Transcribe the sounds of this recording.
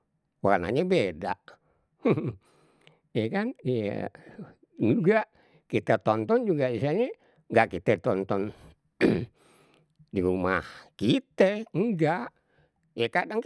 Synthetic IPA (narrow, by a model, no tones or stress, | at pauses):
wa̰rna̰ɲabeda̰ʔ | jɛkanja̰ | d͡ʒuɡaʔ | kit̪ɛt̪ɔnt̪ɔnd͡ʒuɡaisaɲɛ | ŋɡaʔkit̪ɛt̪ɔnt̪ɔn | diɾumahkit̪ɛŋɡaʔ | jekadaŋ